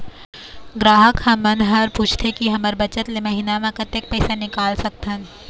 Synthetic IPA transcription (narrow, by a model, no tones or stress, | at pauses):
ɡɾaːɦəkhɐ̃mɐnɦɐɾpuːt͡ʃʰt̪ʰekiɦɐməɾbɐt͡ʃət̪lemɐɦinamãkɐt̪ek̚pɛːsanɪkaːlsɐk̚t̪ɦə̃n